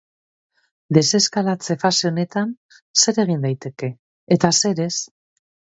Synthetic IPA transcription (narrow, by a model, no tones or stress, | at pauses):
d̪e̞se̞skalat͡se̞faseone̞t̪an | se̞ɾe̞ɣ̞ind̪ajt̪e̞ke̞ː | t̪ase̞ɾe̞s